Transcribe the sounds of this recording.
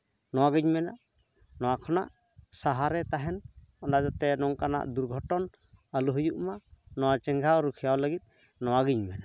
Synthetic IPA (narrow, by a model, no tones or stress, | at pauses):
nɔwaɡɯɲmɛnaʔ | nɔwakʰɔna̰ʔ | saɦaɾɛt̪aɦɛnɔnad͡ʒat̪ɛnɔŋkana̰ʔd̪uɾɡʱɔʈɔn | əluɦujuʔmanɔwat͡ʃɛŋɡʱawɾukʰijawləɡit̪̚ˀ | nɔwaɡiɲmɛna